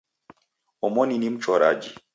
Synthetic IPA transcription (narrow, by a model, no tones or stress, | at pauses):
ɔmɔninim̩t͡ʃɔɾa̰d͡ʒi